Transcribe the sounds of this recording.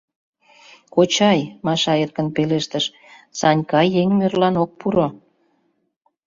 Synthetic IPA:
kot͡ɕɑjmɑʃɑerkənpeleʃt̪əʃ | sɑnʲkɑjeŋmørlɑnok̚puɾo

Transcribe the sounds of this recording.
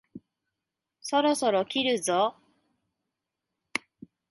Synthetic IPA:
so̞ɾo̞soɾokʲiɾɯ̟zo

